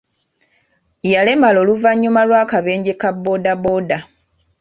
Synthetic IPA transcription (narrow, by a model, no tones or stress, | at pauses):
jale̞malo̞ːluvaɲːumalwaːkaβe̞ːɲɟekabːo̞ːdabo̞ːda